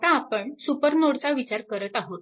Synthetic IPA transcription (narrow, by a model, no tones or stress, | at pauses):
t̪aːpəɳsupəɾnoɽt͡saʋit͡ɕaɾkəɾət̪aɦot̪̚